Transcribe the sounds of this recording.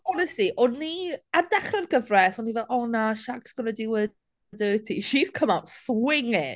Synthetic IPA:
ɔnɛstliʔɔnːiandɛχrɛnɡəvrɛsɔnːivɛlˠɔnaʃaɡsɡ̥ɔnədɪwə | dətʰiʃiskʰəmawtswɪŋɪ

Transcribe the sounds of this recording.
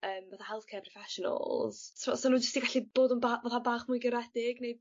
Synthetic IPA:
əːmvaθahɛlˠkʰɛpʰrɔfɛʃɔnə̰lˠz̥svɔsonuːd͡ʒəstiɡaɬib̥oːdənbavaθabaːχmʊjɡəɾɛdɪɡnej

